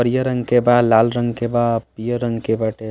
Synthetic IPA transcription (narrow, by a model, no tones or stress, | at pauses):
əɾijəɾəŋɡkebad̪lalɾəŋɡkebapijəɾə̃ŋɡkebəʈe